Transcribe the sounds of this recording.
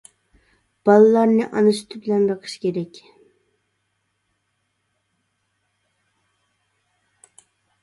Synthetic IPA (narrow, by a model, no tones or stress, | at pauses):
b̥ɑlˠɨlˠɑɾnɨʔɑnɨsy̥t̪ʰɪbɪlɛnbəqʰə̥ʃkʲeɾɛkʲ